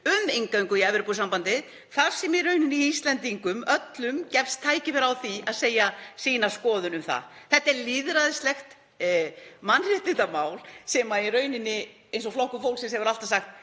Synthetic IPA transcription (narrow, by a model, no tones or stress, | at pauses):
ʏmejŋkaŋkʏiɛvɛɾpusampant̪ɪð | θaɾ̥sɛmirœːɥnɪnːɪist̪lɛnt̪iŋkʏmœt̪lʏmcɛfst̪ʰːaːjcɪvɛɾawθiaðseːjasiːnḁskɔːðʏnʏmθa̰θɛht̪aɛɾlɪːðɾaðɪst̪lɛxt̪ | manr̥ɪt̪ɪt̪amaːwlsɛmairœːɥnɪnːɪ | ejnsɔflɔhkʏfowlsɛnshɛvʏɾal̥t̪asaxt̪̚